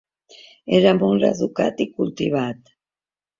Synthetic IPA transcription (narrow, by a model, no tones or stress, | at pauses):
eɾamolɾa̰ðuka̰t̪ikult̪iβat̪